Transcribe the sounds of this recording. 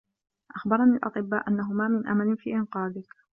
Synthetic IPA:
ʔaxbɑɾˤɑnialʔɑ̰t̪ˤɨbːaːʔanːaɦʊmaːmɪnʔa̰manɪfiːʔɪnqɑːd̪ɪk

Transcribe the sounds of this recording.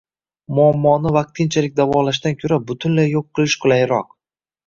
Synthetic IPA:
mʊamːɒnɪvaq̚t̪ʰːɪnt͡ʃʰalɪk̚ʲd̪avɒlaʃ̬d̪ankʲʰɵɾabʊt̪ʰʊnlajːoqʰːɨlˠɪʃqʰʊlˠajɪɾɒq

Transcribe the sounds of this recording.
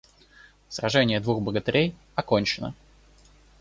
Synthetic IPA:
sɾɐʐɛnʲɪjəd̪vuxbəɡət̪ɪɾʲej | ɐko̞nʲt͡ɕɪnə̰

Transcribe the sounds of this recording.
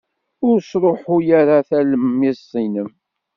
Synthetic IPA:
ʊɾsɾˤoħʊjaɾaθæləmjɪsːinəm

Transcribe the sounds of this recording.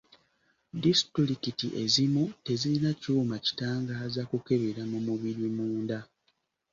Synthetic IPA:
distɾikitiʔe̞zimute̞zilinacuːmaci̥taːŋɡaːzakuke̞βeɾamumuβiɾimuːnda

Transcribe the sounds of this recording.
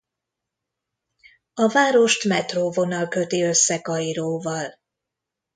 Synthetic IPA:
ɒvaːɾo̞ʃt̪mɛt̪roːvo̞nɒlkø̞t̪iø̞sːɛkɒiɾoːvɒl

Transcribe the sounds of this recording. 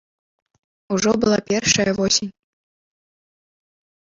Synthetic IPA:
uʐɔbɨlˠapʲɛrʂɐjɐvɔsʲinʲ

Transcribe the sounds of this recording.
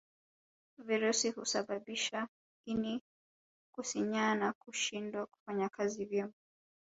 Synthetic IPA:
viɾusihusaɓaɓiʃa | ini | kusiɲanakuʃindwaku̥faɲakazivjɛŋ

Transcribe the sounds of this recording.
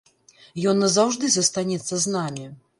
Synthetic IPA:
jɔnːɐzawʐd̪ɨzɐst̪anʲɛt̪sːɐznamʲi

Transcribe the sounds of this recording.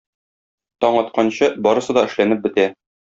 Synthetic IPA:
t̪ɒɴɒt̪̚qɑnɕɤbɒɾɤ̆sɤd̪ɒɘ̆ʃlænɘp̚bɘ̆t̪æ

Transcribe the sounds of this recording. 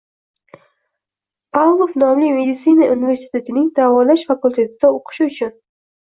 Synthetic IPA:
pʰavlˠofnɒmlɪme̞d̪ɪt̪sɪnaʔunive̞ɾsi̥t̪ʰe̞t̪ʰɪnɪŋd̪avɒlaʃfakulʲt̪ʰe̞t̪ʰɪd̪aoqʰɨ̥ʃɪʊt͡ʃʰʊn

